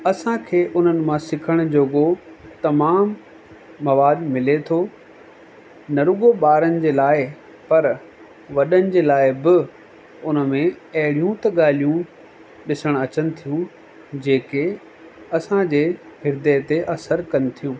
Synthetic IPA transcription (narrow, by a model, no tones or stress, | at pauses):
ɐsãkʰeːʔʊn̤ənɪ̆mãsɪkʰəɽ̃d͡ʑoːɠot̪ɐmaːmː | ɐʋaːd̪mɪlet̪ʰoː | nɐɾʊɠoɓaːɾənɪ̆d͡ʑeːlaːɪ | pɐɾ | ʋɐɗənɪ̆d͡ʑeːlaːɪbɪ | ʊnəmẽɐɦɪɽijũt̪ɐɠaːl̤ijũ | ɗɪsəɽ̃ɐt͡ɕənɪ̆t̪ʰijũ | d͡ʑeːke | ɐsãd͡ʑeːɦɪɾd̪et̪eʔɐsəɾkɐnɪ̆t̪ʰijũː